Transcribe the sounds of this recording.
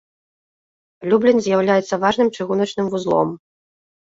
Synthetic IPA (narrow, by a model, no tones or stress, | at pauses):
lʲublʲɛnzʲjawlʲajɛt̪sːɐvaʐn̪ɨmt͡ʂɨɣunɐt͡ʂn̪ɨmvuzlˠɔ̰m